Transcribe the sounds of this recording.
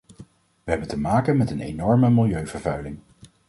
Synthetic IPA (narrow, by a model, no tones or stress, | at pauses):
ʋəɦɛbəntəmaːkənmɛtənḛjnɔɹməmɪlˠjøɥvəɹvœɥlɪŋ